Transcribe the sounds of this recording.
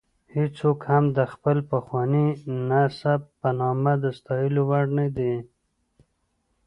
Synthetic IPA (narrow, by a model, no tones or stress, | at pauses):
hit͡sokhamd̪əxpəlpəxwɑninasabpanɑmad̪əst̪ɑjəlowaɽnad̪i